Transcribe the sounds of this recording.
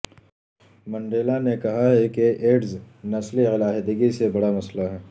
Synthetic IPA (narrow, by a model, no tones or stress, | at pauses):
mɐ̃ɳɖeːlanekɐɦaɦɛkeʔeːɖz | nɐsliɪlaːɦd̪ɪɡisebɐɽamɐslaɦɛː